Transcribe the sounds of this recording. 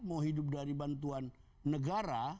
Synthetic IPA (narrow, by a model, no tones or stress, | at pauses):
maɦidʊp̬̚daɾibant̪uanː | əɡaɾa